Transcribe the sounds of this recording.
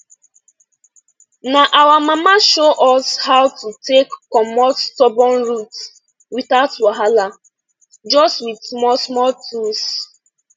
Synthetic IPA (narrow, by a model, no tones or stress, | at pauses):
naʔawamamaʃoʔɔshawtutekːɔmɔtːtɔbɔnɹut | wiθaʊtwaɦala | d͡ʒɔstwidsmɔsmɔltʰus